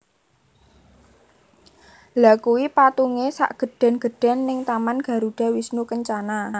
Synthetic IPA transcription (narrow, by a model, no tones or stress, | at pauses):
lakuwipat̪uŋesa̰ʔɡ̥ə̤ɖ̥a̤nɡ̥ə̤ɖ̥a̤nːɪŋt̪amanɡ̥a̤ɾuɖ̥a̤wisnukəɲt͡ʃana